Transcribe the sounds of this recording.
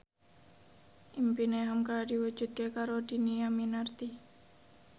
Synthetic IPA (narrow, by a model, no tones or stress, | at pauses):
ʔimpineɦamkadiwu̥d͡ʒ̥ṳt̪̚kekaɾod̥i̤niaminart̪i